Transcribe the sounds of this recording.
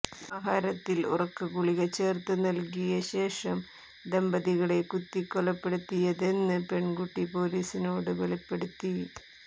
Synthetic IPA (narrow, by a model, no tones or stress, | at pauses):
aːɦaːɾɐt̪ːilṵrɐkːɨkuɭiɣɐt͡ɕe̞ːrt̪ːɨnɐlkijɐɕe̞ːʂɐm | d̪embɐðiɣɐɽe̞kut̪ːikːolɐpːe̞ɽut̪ːijɐðe̞nːɨpe̞ɳɡuʈːipo̞ːliːsino̞ːɽɨʋeɭipːe̞ɽut̪ːi